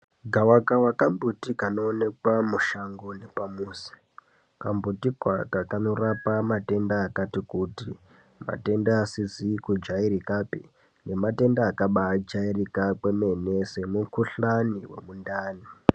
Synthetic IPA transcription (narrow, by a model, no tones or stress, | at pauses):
ɡʱawakawakambʱutikano̞ːne̞kwamuʃaŋɡonepamuːsi̥ | kambutikwakakano̞rapamate̞ndaːkatikuːti | ma̰te̞ndaːsizikud͡ʒaiɾikapi | ne̞mate̞ndaːkaɓaːd͡ʒairikakweme̞nese̞mukuɬaniwe̞̰mundaːni